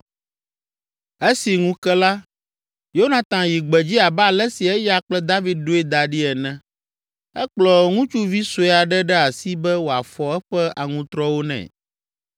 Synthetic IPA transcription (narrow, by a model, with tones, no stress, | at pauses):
e˦si˨ŋũ˦kɛ˦la˦ | jo˦o˦nã˨t̪ã˨ji˨ɡ͡bɛ˨d͡ʑi˦a˨blɛ˦si˨ɛ˦ja˨k͡plɛ˦d̪a˦vi˦d̪̚ɖo˦ɛ˦d̪a˨ɖi˦ɛ˨nɛ̃˦ | ɛ˦k͡plɔ˨ŋũ˦t͡ʃu˦vi˦so˨˦˨a˨ɖɛ˦ɖɛ˦a˨si˦bɛ˦wo˨a˨fɔ˨ɛ˦ɸɛ˦ʔa˨ŋũ˨t̪ɾɔ˦wo˦nɛ̰̃˨